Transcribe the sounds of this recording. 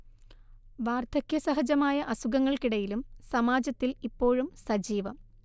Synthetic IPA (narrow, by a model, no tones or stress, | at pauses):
ʋaːrt̪ʰɐkjɐsɐɦɐd͡ʑɐmaːjɐʔɐsuɣɐŋːɐɭkiɽɐjilumsɐmaːd͡ʑɐt̪ːilipːo̞ːɻumsɐd͡ʑiːʋɐm